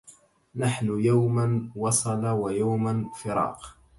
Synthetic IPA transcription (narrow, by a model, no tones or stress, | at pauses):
naħnʊjawmanwɑsˤɑlawajawmanfɪɾɑ̰ːq